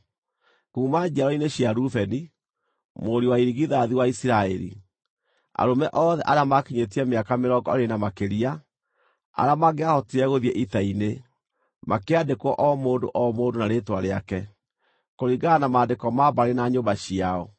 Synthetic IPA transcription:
kuːmad͡ʒaɾɔineɕiaɾufɛni | moɾiwaiɾiɣiðaðiwaisiɾaɛɾḭ | a̰ɾomɛʔɔːðɛʔaɾeamakiɲetiɛmeakameɾɔɡɔɾenamakeɾia | a̰ɾamaɡeahɔtiɾɛɣoðiɛʔitaine | makeadekwɔʔɔmoːndoʔɔmoːdonaɾetwaɾeakɛ | koɾiɡanamaːndekɔmabaɾenaɲombaɕiaɔ

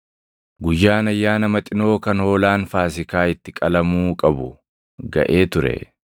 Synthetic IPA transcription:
ɡʊjːaːnɐjːaːnɐmɐt̪ʼɪno̞ːkɐnho̞ːlaːnfaːs̬ɪkaːɪt̪ːɪkʼɐlɐmuːkʼɐbʊ | ɡɐ̰ʔe̞ːt̪ʊɾɛ̰

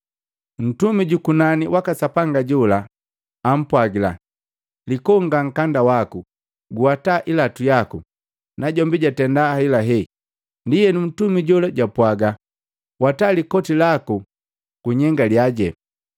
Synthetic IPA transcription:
n̩tumiɟukunaniwʔakasapaŋɡaɟulaː | m̩pwaɡila̰ | likɔŋɡaŋ̩kandawaku | ɡuataʔilatujaku | naɟɔmbiɟatɛndahailaɦɛ | ndijɛnun̩tumiɟɔlaɟapwaɡa | watalikɔtilaku | ɡ̥uɲɛŋɡaljaɟɛ

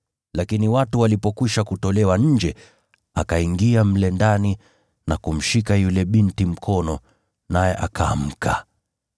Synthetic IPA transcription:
lakiniwatuwalipɔkwiʃakutɔlɛwaɲ̩d͡ʒɛ | akaiŋɡiam̩lɛndani | nakum̩ʃikajulɛɓintim̩kʰɔnɔ | najɛʔakʰaːm̩ka

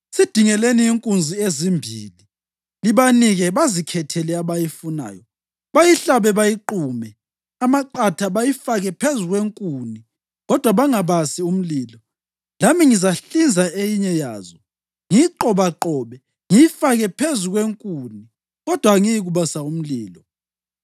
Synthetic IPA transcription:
sid̥ʱiŋɛleniiŋkʼund͡zʱiezimbʱḭːli | liβaniɣɛβazikʰɛtʰɛlɛaβajifuna̰ːjɔ | βajiɬaβɛβajiǃuːmɛ | amaǃatʰaβajifaɣɛpʰezuɣweŋkʼuni | ɣɔd̥ʱwaβaŋaβasium̩liːlɔ | lamiŋizaɬind͡zʱaejiɲɛja̰ːzɔ | ŋiǃɔβaǃɔːβɛ | ŋijifaɣɛpʰezuɣweŋkʼuni | ɣɔd̥ʱwaŋijiɣuβasaum̩liːlɔ

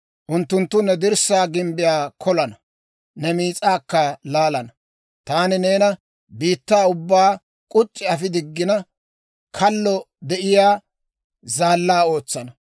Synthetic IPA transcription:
ʔʊnt̪ːʊnt̪ːʊnɛd̪ɪɾsaːɡɪmbɪjaːkʰɔlɐnɐ | nɛmiːt͡sʼaːkːɐlaːlɐnɐ | t̪aːnɪne̞ːnɐ | biːt̪ːaːʊbːaː | kʼʊt͡ʃʼːɪɐfɪd̪ɪɡːɪnɐ | kʰɐlːɔ | d̪ɛʔɪjaː | zaːlːaːo̞ːt͡sːɐnɐ

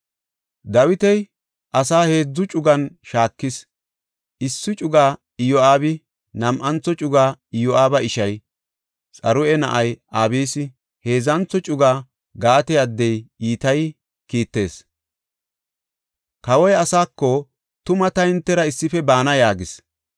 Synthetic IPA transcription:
d̪ɐwɪt̪ɛj | ʔɐsaːhe̞ːd͡zːʊt͡ʃʼʊɡɐnʃaːkːɪs | ʔɪsːʊt͡ʃʼʊɡaː | ɪjɔaːbɪ | nɐmʔɐnt͡sːɔt͡ʃʼʊɡaːɪjɔʔaːbɐɪʃɐj | t͡sʼɐɾʊɛnɐ̰ʔɐjʔaːbiːsɪ | he̞ːzɐnt͡sːɔt͡ʃʼʊɡaː | ɡaːt̪ɛjɐd̪ːɛjiːt̪ɐj | kiːt̪ːe̞ːs | kɐwɔjɐsaːkːɔ | t̪ʊmɐt̪ɐhɪnt̪ːɛɾɐɪsːɪfɛbaːnɐjaːɡɪs

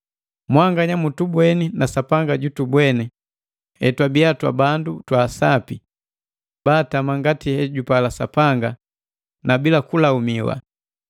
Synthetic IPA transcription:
mwaŋɡaɲamutubwɛninasapaŋɡaɟutubwɛni | hɛ̰twabiatwa̰bandutwaːsapi | baːtamaŋɡatihɛɟupalasapaŋɡa | nabilakulaumiwa̰

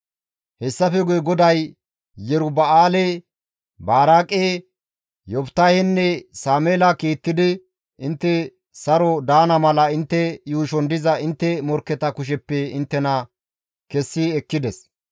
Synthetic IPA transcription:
hɛsːɐfɛɡʊjɛɡɔd̪ɐj | jɛɾʊbɐaːle | baːɾaːkʼe | jɔpt̪ɐjhɛnːɛsaːmeːlɐkiːt̪ːɪd̪ɪ | ʔɪnt̪ːɛ | sɐɾɔd̪aːnɐmɐlɐɪnt̪ːɛjuːʃɔnd̪ɪzɐɪnt̪ːɛmɔɾkːɛt̪ɐkʊʃ̬ɛpːɛɪnt̪ːɛnɐ | kɛsːiɛkːɪd̪ɛs

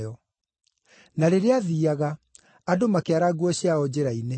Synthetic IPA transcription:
ɔ | naɾeɾeaðiaɣa | adomakeaɾaɡuɔɕjaɔd͡ʑeɾaine

